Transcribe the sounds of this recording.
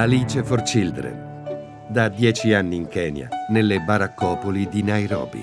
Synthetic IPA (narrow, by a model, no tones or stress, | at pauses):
aliːt͡ʃefort͡ʃild̪ɾḛ | d̪ad̪jɛːt͡ʃianːiːŋkɛːnja̰nelːebaɾakːɔːpolid̪inajɾɔ̰ːbḭ